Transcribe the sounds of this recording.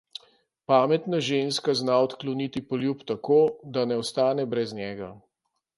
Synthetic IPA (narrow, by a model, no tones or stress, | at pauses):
paːmɛt̪naʒenskaznaɔt̪klɔnit̪ipɔljuːpt̪akoːd̪anɛɔst̪aːnɛbɾɛznʲjɛːɡa